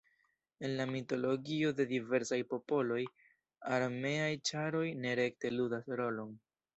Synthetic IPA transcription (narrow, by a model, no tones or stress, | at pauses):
e̞nlamito̞lo̞ɡio̞de̞dive̞ɾsajpo̞po̞lo̞j | aɾme̞ajt͡ʃaɾo̞jne̞ɾe̞kte̞ludasɾo̞lo̞n